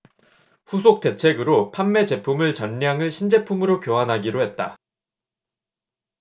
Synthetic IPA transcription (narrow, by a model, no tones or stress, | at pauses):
ɸus̬ʰok̚t͈e̞t͡ɕʰe̞ɡɯɾopʰamːe̞t͡ɕe̞pʰumɯɭt͡ɕʌɲːaŋɯɭɕʰind͡ʑe̞pʰumɯɾokjoɦanɦaɡiɾoɦe̞t̚t͈a̰